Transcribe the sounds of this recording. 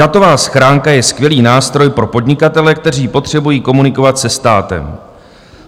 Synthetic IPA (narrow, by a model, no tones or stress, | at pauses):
at̪o̞vaːsxɾaːŋkajɛskvjɛliːnaːst̪ɾo̞jpɾo̞po̞dɲɪkat̪ɛlɛk̚t̪ɛriːpo̞t̪r̝̥ɛbujiːko̞munɪko̞vat̪sɛst̪aːt̪ɛ̰m